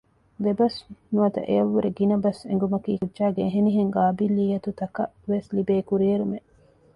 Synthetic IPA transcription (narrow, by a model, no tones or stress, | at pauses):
d̪ebɐsnuɐt̪ɐ̰ʔeɐʋːuɾeɡinɐbɐsḛŋɡumɐkiːkudʒaːɡeːɦeniɦeŋɡaːbilːiːjɐt̪ut̪ɐkɐʋeslibeːkuɾieɾume